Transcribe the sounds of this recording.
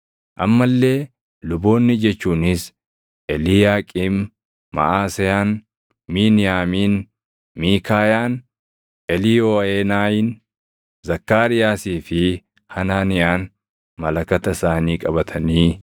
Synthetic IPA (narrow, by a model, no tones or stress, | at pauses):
ʔɐmːɐlːe̞ː | lʊbo̞ːnːɪd͡ʒɛt͡ʃːuːnɪs | ʔɛlɪjaːkʼɪmː | ɐ̰ʔaːsɛjaːn | miːnɪjaːmiːn | miːkaːjaːn | ʔɛlɪjoːeːnaːjɪn | zɐkːaːɾɪjaːsiːfɪ | hɐnaːnɪjaːn | mɐlɐkɐt̪ɐɪsaːniːkʼɐbɐt̪ʰɐniː